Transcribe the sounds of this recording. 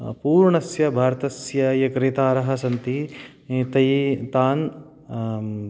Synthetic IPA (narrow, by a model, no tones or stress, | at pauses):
puːɾɳɐsjɐbʱaːɾɐt̪ɐsjɐjɐkɾeːt̪aːɾɐɦɐsɐnt̪i | t̪ɐjt̪aːn